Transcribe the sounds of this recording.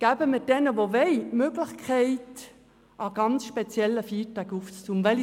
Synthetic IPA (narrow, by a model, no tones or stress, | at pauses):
ɡ̥æːbəmɪd̥ɛnəʋovɛɪmøːɡləχkʰɛɪt | ʔaɡ̥ɑnt͡sʃpɛt͡sjɛlːəfiːdækuft͡st͡sumvɛl